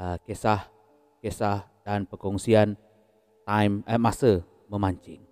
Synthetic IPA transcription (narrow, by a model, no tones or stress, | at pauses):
əkesah | kesahdanpəkɔŋsian | t̪ajməmasə | məmaɲt͡ʃɪŋ